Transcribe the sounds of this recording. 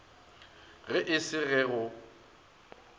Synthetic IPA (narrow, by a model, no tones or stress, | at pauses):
ɣɪʔɪsɪɣɛɣʊ